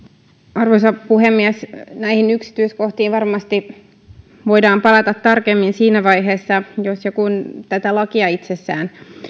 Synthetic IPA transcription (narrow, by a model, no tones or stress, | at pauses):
ɑrʋosɑpuhemːiæsnæihinyksi̥t̪yisko̞ht̪iːʋɑrmɑst̪i | ʋo̞idɑːmpɑlɑt̪ɑt̪ːɑrkemːinsiːnæʋɑjɦe̞ːsːɑjosjokunt̪æt̪ælɑkiɑit̪sesːæːn